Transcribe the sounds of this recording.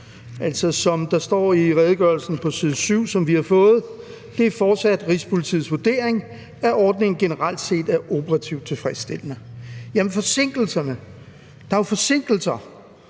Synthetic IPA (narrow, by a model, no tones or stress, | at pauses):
ʔæl̰sɒsɒ̽md̥ɑ̈sd̥ɒ̰ːiʁɛð̞ˠəɡ̥ɶɐlsn̩pʰɒ̽siðˠsyʊ̰sɒ̽mʋihɑ̈fɔ̽ːð̞̩ˠ | d̥e̝æfɒ̥ːsæd̥ʁispʰo̝lit͡sʰḭːsʋod̥e̝̰ːɐ̰eŋ | æʔɒːd̥ne̝ŋn̩ɡ̥e̝nəʁɑl̰d̥se̝̰ːd̥æɐʔo̝pʰəʁɑ̈t͡sʰiʊd̥̚t͡sʰe̝lfʁɛsd̥e̝l̰nəjæmənfɒ̽se̝ŋ̰ɡ̥l̩sɐnə | d̥ɑ̈ofɒ̽se̝ŋ̰ɡ̥l̩sɐ